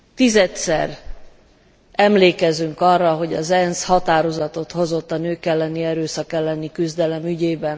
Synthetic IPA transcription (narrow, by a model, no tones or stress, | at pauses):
t̪izɛt̪sɛ̰r | ɛmleːkɛzyŋkɒrːɒɦo̞ɟɒzɛnshɒt̪aːɾo̞zɒt̪o̞t̪ho̞zo̞t̪ːɒnøːkɛlːɛniɛɾøːsɒkɛlːɛnikyzd̪ɛlɛmyɟeːbɛn